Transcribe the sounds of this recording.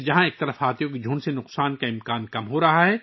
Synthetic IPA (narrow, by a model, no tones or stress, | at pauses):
d͡ʒɐɦãeːk̚t̪ɐɾəfɦaːt̪ijõkid͡ʒʱuːɳsenʊqsaːnkaɪ̃mkaːnkɐmɦoɾɐɦaɦɛː